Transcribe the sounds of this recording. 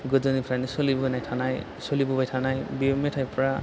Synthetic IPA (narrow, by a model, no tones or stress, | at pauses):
ɡɔd͡ʒɔnipʰɾanisolibubanajtʰanaj | solibubajtʰanajbiɔmetʰajpɔɹa